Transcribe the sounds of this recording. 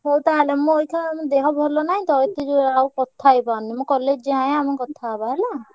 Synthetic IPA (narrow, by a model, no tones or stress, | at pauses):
ɦowt̪aɦlemũojkʰaamɔ̃d̪eɦɔbʱɔlɔnaɦĩt̪ɔit̪id͡ʒuawkɔt̪ʰːajpawnimukɔled͡ʒeɦaj̃amɔkɔt̪ʰabaɦela